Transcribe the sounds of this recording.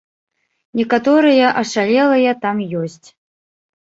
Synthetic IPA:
nʲɛkat̪ɔɾɨjɐʔɐʂalʲɛlˠɐjɐt̪amjɔsʲt͡sʲ

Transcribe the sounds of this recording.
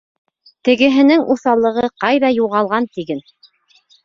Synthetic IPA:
t̪ɘ̆ɡɘ̆ɦɘ̆nɘŋʔuθɑlˠːɤ̆ʁɤqɑjðɑjuʁɑlˠʁɑnt̪iɡɘn

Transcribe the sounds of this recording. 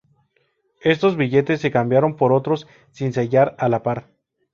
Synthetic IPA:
e̞st̪o̞zβiʝe̞t̪e̞s̬ːe̞kambjaɾo̞mpo̞ɾo̞t̪ɾo̞sː | inseʝaɾalapaɾ

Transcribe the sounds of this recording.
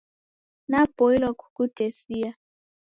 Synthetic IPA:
nab̥ɔilɔkʰukud̥ʱesia

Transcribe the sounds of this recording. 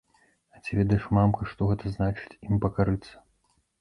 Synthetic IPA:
ɐt͡sʲivʲɛd̪ɐjɛʂmamkɐʂt̪ɔɣɛt̪ɐznat͡ʂɨ̥t͡sʲimpɐkaɾɨt̪sːɐ̥

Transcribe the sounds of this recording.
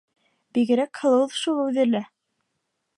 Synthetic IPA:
b̥iɣɘ̆ɾækhɤ̆lˠɤ̆wɤðʃulˠʉðɘ̆læ

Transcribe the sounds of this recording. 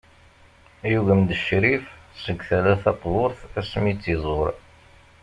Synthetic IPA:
juʝəmd̪əʃɾifsəɡθælæθɑt̪ˤːloɾˤθæsmit͡sːizˤoɾ

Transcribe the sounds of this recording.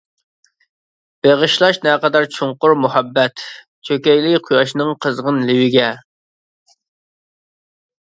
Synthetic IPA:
b̥eʁəʃlˠɑʃnɛqɑd̪ɑɾt͡ʃʰʊŋqʊɾmuhɑbːɛt̪ | t͡ʃʰøkʲɛjlɪkqʰujɑʃnɨŋqʰəzʁənlɪwɪɡʲɛ

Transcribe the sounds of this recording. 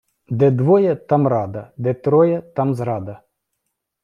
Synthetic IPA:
d̪ɛd̪ʋɔjɐt̪ɑmrɑd̪ɐd̪ɛt̪ɾɔjɐt̪ɑmzɾɑd̪ɐ

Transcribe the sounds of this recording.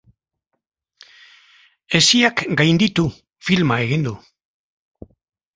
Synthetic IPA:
e̞siakɡajnd̪it̪u | filmae̞ɣind̪u

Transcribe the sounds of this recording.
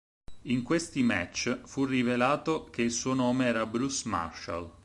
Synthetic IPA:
iŋkwest̪imɛ̰t͡ʃːfurːivelaːt̪ok̟eilsuːonɔːmeɛːɾabɾusma̰rʃa̰l

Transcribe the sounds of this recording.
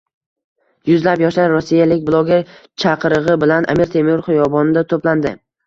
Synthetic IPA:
jʊzlapjɒʃlaɾɾosːijalɪkʲblˠɒɡʲeɾt͡ʃʰɑqʰɨɾɨʁɨbɪlanʔa̰miɾt̪ʰe̞miɾχojɒbɒnɪd̪at̪ʰopland̪ɪ

